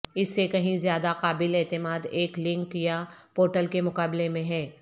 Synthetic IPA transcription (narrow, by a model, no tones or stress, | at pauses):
ɪsːekɐɦĩzjaːd̪aqaːbɪlɛːt̪ɪmaːd̪eːklɪ̃ŋkjapoːɾʈəlkemʊqaːblemẽɦɛː